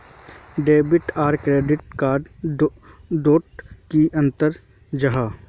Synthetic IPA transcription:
ɖeːbɪʈaːɾkɾeːɖɪʈkaːɖ | doːʈkiʔɐ̃nt̪əɾ | d͡ʒɐɦaː

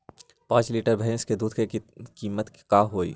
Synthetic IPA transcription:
pãːt͡ʃliːʈəɾbʱɛ̃ːsked̪uːd̪ʱkekiːmət̪kaːɦoːḭː

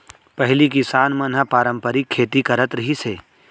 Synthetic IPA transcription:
pɐɦlikisaːnmɐnɦəpaːɾə̃mpəɾikʰːeːt̪ikɐɾət̪ɾɐɦiseː

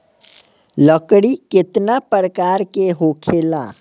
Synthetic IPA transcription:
ləkɽikɪt̪napəɾəkaːɾkeɦoːkʰela̰ː

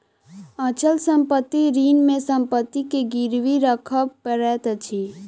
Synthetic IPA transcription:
ãt͡ʃəlsəmpət̪ːiɾiːnmẽsə̃mpət̪ːikeɡiɾʋiɾəkʰəbpəɾɛt̪ət͡ʃʰi

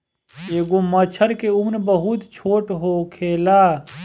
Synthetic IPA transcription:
eːɡomət͡ʃʰəɾkeumnbəɦʊt̪t͡ʃʰoːʈɦokʰeːlaː

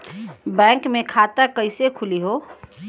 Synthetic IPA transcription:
bɛ̃ːŋkmẽkʰaːt̪akəɪsekʰʊliɦoː

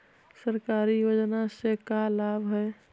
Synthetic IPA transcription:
səɾkaɾijod͡ʒnasekalabʱɦɛe

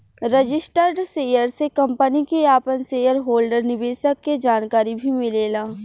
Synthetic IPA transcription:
ɾɐd͡ʒɪsʈəɾɖseːjəɾsekɐ̃mpənikeaːpənseːjəɾɦoːlɖəɾnɪbeːsəkːed͡ʒaːnkaːɾibʱimɪleːlaː

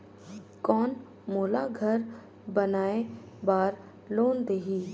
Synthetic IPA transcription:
kɔːn | moːlaɡʱəɾ | bənaːe | baːɾ | loːnd̪eːɦiː

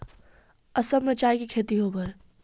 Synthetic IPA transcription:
ɐsəbmẽt͡ʃaːikikʰeːt̪iɦoːbəe

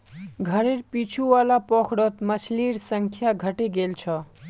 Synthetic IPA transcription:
ɡʱʌɾeɾpit͡ʃʰuwalapʌkʰɽʌt̪mʌsʰliɾsʌŋkʰjaɡʱʌʈeɡelt͡sʰʌ

